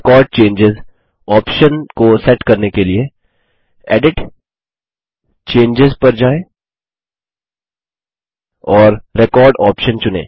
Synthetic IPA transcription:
kɔːɾɖ̚t͡ʃẽːɲd͡ʒɪz | ɔːpʃənkosɛʈkɐɾnekelie | ɛ̰ːɖɪʈ | t͡ʃẽːɲd͡ʒɪzpɐɾd͡ʒaːẽ | ɔːɾɾekɔːɾɖɔːpʃənt͡ʃʊnḛ̃ː

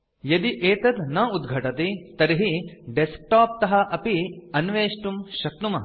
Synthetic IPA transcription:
jɐd̪iʔeːt̪ɐd̪nɐud̪̚ɡʱɐʈɐt̪it̪ɐɾiɦiɖesk̚ʈaːp̚t̪ɐɦɐʔɐpiɐnʋeːʂʈumʃɐk̚numɐ

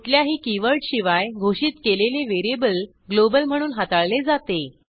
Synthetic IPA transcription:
ut̪ljaɦiːkiʋəɾʈɕiʋajɡʱoɕiːt̪keleleʋeɾebəl | ɡlobəlm̤əɽ̃uːnɦat̪aɭled͡zat̪e

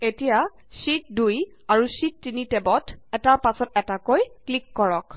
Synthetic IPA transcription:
etija | sit̚duj | aɹusitːinitɛbɔtɛtaɹpasɔtɛtakojklikːɔɹɔk

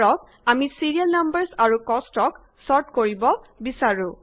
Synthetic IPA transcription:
ɹɔk̚ | amisiɹijalnambəɹsaɹukɔstɔk | sɔɹtkoɹibɔ | bisaɹũ

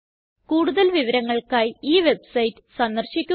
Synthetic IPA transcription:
kuːɽuðɐlʋiʋɐɾɐŋːɐɭkaːjiːʋe̞bsɐjtːɨ̥sɐnd̪ɐrɕikʲːu

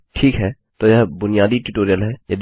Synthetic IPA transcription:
ʈʰiːkɦɛ | t̪oːjɛɦbʊnijaːd̪iʈuʈoːɾijəlɦɛːjɐd̪

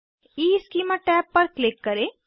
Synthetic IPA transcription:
iːskiːmaʈɛːpːɐɾklɪkːɐɾẽː

